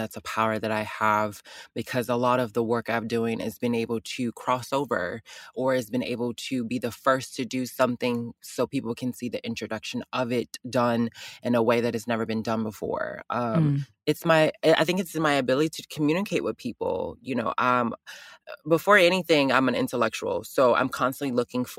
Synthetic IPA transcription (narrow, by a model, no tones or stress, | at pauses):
ðætsəpʰaʊə˞ðɨɾaɪəvbɨkʰʌzəlɔɾʌvðəwɜ˞kaɪvdʉɪ̃ŋɪ̰zbɨ̃neɪbl̩ˠtʰɨkʰɹ̥ɔsoʊvə̰˞ʔə˞ɨzbɨ̃nḛɪbl̩ˠtʰɨbiðɨfɜ˞stʰɨdɨsʌ̃mθɪ̃ŋsoʊpipl̩ˠkʰɨ̃n̩siðiʔɪ̃nt͡ʃɹ̥ɨdʌkʃɨ̃nʔʌvɪtd̥ʌ̃nʔɨ̃nəweɪðɨt̚hɨznɛvə˞bɨ̃ndʌ̃nbəfɔ̰ɹʔʌ̃m | ɨtsmaɪa̰ɪθɪ̃ŋkɨtsɨmaɪɨbɪlˠəɾiɾɨkʰmjʉnɨkʰeɪʔ̚wʔɨð̥pʰipl̩ˠjɨnoʊʔʌ̃m | bəfɔɹɛñiθɪ̃ŋã̰ɪ̃mɨ̃nɪ̰̃ntəlɛk̚t͡ʃul̩ˠsoʊã̰ɪ̃mkʰɑ̃nstə̃n̩ʔlilʊkɪ̃ŋf